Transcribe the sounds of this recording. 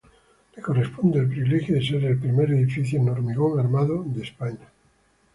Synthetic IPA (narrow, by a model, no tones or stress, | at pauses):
leko̞respond̪ealp̬ɾiβilexjoðeseɾelpɾimeɾeðifiθjonoɾmiɣoŋaɾmaðod̪espaɲa